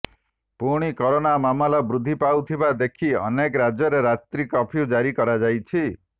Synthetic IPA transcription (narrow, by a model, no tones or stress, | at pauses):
puɽ̃ikɔɾonamamɔlɔbɾud̪ʱːipawt̪ʰibad̪ekʰiɔ̰nekɔɾad͡ʒɔɾeɾat̪ɾikɔpʰjud͡ʒaɾikɔɾad͡ʒajt͡ʃʰi